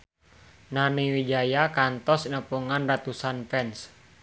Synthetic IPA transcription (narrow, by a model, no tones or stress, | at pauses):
nanewid͡ʒajakant̪ɔsnəpuŋanrat̪usanpɛns